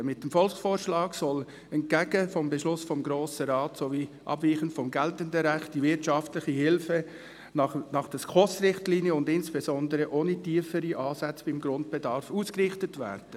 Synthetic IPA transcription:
mɪt̚dəmfɔlsfoːɾʃlɑːɡsɔl | ɛnɡ̥æɡ̥əfɔmbɛʃlʊsfɔmɡɾoːsəɾɑːtsoviːʔɑ̰bviːχəntfɔmɡɛltəndəɾæχt̚d̥ivɪɾtʃɑftlɪχihɪlfə | nɑnɑχd̥əskʰɔsɾɪχtliːnjəʊndɪnsb̥ɛzɔndəɾəʔoːnitiːfəɾiʔɑːsæt͡sb̥ɪmɡɾʊnt̚b̥ɛdɑɾfuːskrɪχtətvæ̰ːɾd̥ə

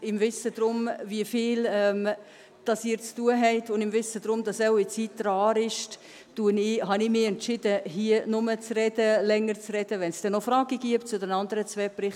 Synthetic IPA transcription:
ɪmvɪsəd̥ɾʊmviəfiːlɛm | d̥ɑsiːɾt͡stuəɦɛɪtʊndɪmvɪsədɾʊmdɑsaʊit͡siːtːɾɑːɾɪʃ | d̥uənɪɦɑnɪmɪɛntt͡ʃɪd̥əhiənʊmət͡srɛd̥əlɛŋəɾt͡sɾɛd̥əvɛnsd̥ɛnːofɾɑːɡ̥iɡ̥iəptt͡sʊdɛnɑndəɾət͡svɛpɾɪχ

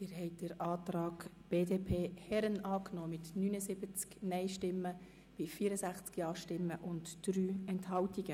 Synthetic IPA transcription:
ɪɾɦɛɪt̚d̥əɾɑːtrɑːɡ | b̥eːdeːpʰeːhɛɾənɑːknoːmɪtnyːnəzɪbət͡sknɛɪʃtɪmːə | b̥ɪfiːəɾəsæχt͡skjɑːʃtɪmːəʔʊntd̥ɾyːɛnthɑwtiɡ̥ə

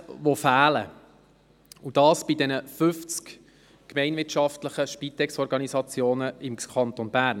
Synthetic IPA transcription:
ʋofæːlə | ud̥ɑːsb̥idɛnəfʏft͡sk | kmɛɪnvɪtʃɑftləχəʃpit̪ɛksɔɾɡɑnisɑt͡sjoːnəɪmkʰɑnt̪onbæːɾn

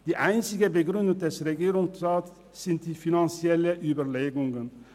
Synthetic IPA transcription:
d̪̥iːʔæɪnsɪɡəbəɡɾʉnd̪ət̪d̪əsɾɛɡiːɾʊŋsɾɑːt̪ː | ɪnt̪̚d̪̥iːfɪnɑnsɪɛləʔyːbəɾleːɡʊŋən

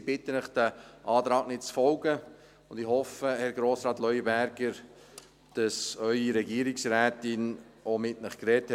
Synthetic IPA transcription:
b̥ɪtənəχd̥æʔɑːt̪ɾɑːɡ̥nɪt̚t͡sfɔlɡə | ʊnd̥̪ɪhɔfəhɛɾɡɾoːsɾɑːt̪lœʏibæɾɡ̥əɾ | d̥ɑsœʏiɾɛɡiəɾɪksɾæːtɪnomɪtnəχkɾɛthɛ

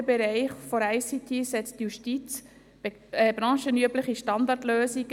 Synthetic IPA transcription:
əbɛɾɛɪχfɔɾɛɪsit̪ʰisɛt͡stjuʃtit͡s | ɛbɾɑ̃ːʃənyəbləχiʃtɑnd̪ɑtløːsiɡ

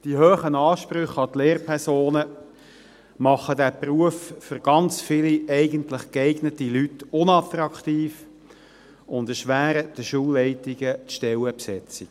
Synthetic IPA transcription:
d̥iɦøːχənɑːʃpɾʏχɑt̪leːrpʰɛsoːnə | mɑχədæpruəfføɾɡ̥ɑnt͡sfɪliɛɪɡəntləχkɛɪɡnətilytʊnɑtɾɑkt̪iːf | ʊndɛʃʋæːɾəd̥əʃuːlːɛɪtiɡət͡sʃtɛləpsɛt͡sik

